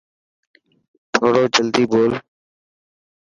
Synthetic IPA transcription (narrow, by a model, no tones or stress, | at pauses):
t̪ʰoːɽoːd͡ʒəld̪iːboːl